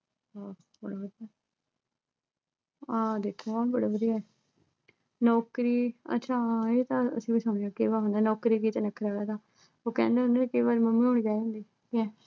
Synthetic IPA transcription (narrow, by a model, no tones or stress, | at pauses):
ɔː | bəɽaːbəd̪iːaː | ãːd̪eːkʰːoaːbəɽaːbəd̪ijaɛː | nɔːkɾiːə̰tːʃʰãːeːt̪ãːə̰sĩːbiːsãːɳ̃eãːkeːʋaːɾɦʊ̃nd̪aːnɔːkɾiːkiːt̪ːnəkʰɾaːʋɛːt̪ãː | oːkɛ̰̃ːnd̪eːʊnãːnekeːʋaːɾməmːĩːʊɳd͡ʒaːiɦʊ̃nd̪iː | kiɛː